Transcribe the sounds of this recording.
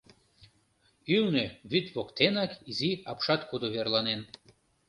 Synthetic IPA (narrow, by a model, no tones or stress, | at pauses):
ylneβyt̪ʲβokt̪enɑkiziɑpʃɑt̪kud̪oβerlɑnen